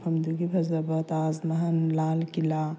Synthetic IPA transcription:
pʰɐmd̪uɡipʰɐzɐbɐt̪aːzmɐɦɐnlaːlkila

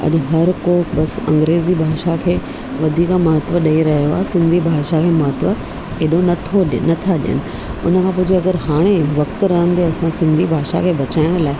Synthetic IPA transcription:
ɐ̰ʄɦɐɾkoɓɐsɐ̰̃ŋɡɾeːzibʱaːʃakʰeː | ʋɐd̪ʱiːkamɐɦət̪ʋəɗɐiɾɐɦijoaːɦesɪ̃nd̪ʱibʱaːʃakʰeːmɐɦt̪ʋə | eɗonɐt̪ʰoɗnɐt̪ʰaɗɪ̰jə̰nɪ̆ | ʊ̰nəkʰãːp̬ʊd͡ʑeɐɡəɾɦaːɽ̃eʋɐkt̪ɾɐɦə̃nɪt̪eɐsãsɪ̃nd̪ʱibʱaːʃa̰kʰeːbɐt͡ɕaːɪɽ̃̆laːɪ

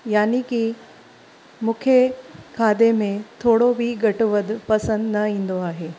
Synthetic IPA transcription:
jaːniki | mʊkʰekʰaːd̪emẽt̪ʰoːɽobʱiɡɐʈʋəd̪pɐsə̃nd̪nɐĩːnd̪oaːɦeː

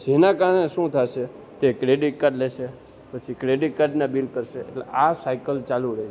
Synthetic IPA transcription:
d͡ʒenakaəɽeʃũt̪ʰaʃe | t̪ekɾeɖiʈkaɖleʃe | pət͡ʃʰikɾeɖiʈ̚kaɾɖnabilkəɾʃḛːʈleʔasajkəlt͡ʃaluɾəe

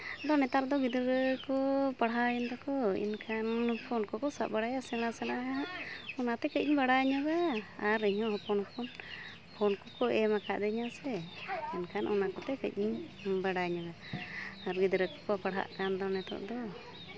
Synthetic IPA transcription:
d̪ɔnɛt̪aɾd̪ɔɡid̪ɾəkɔpaɽɦajənd̪ɔkɔḭnkʰanpʰɔnkɔkɔsaʔ̚baɽajasɛl̃asɛnaʔɦaɔnat̪ɛkəc̚iɲbaɽaɲɔɡaːɾiɲɔ̃ɦɔpɔnpʰɔn | pʰɔnkɔkɔɛmakaʔd̪əɲasɛinkʰanʔɔnakɔt̪ɛkəc̚ˀiɲbaɽaɲɔɡaː | ɾɡid̪ɾəkɔ̥kɔpaɽɦa̰ʔkand̪ɔnɛt̪ɔ̰ʔd̪ɔ

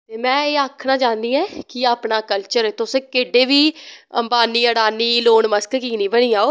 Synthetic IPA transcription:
tt̪eːmɛ̃ːeːaːkʰnaːt͡ʃaːnd̪iːɛːkɪaːpnaːkəlt͡ʃəɾet̪ʊsẽːkeːɖeːʋiːə̰mbaːniːəɽaːniːloːɳməskkiːniːbəɽ̃iːaːoː

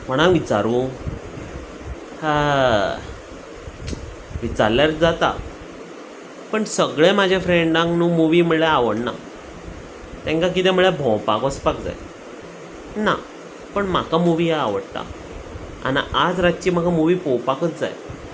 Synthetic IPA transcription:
pəɳ̃aʋit͡ɕaɾũː | ʋit͡saɾljaɾd͡zat̪a̰ | pəɳsəɡɭẽmad͡ʑʱefɾeɳɖãŋknumuʋim̤əɭeaʋəɽna̰ | t̪ẽŋkãk̬it̪ɛ̃m̤əɭjebʱɔ̃wpakəspak̚d͡za̰j | na̰ | pəɳmakamuʋijaaʋəɽt̪a̰ | a̰niʔad͡zɾat̪t͡ɕiːm̤akamuʋiːpowpakət̪d͡za̰j

